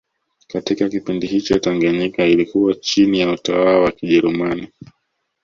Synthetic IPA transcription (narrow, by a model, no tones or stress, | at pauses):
katikakipindihit͡ʃɔtaŋɡaɲɛkailikuwat͡ʃinijautawalawakiʄɛɾumani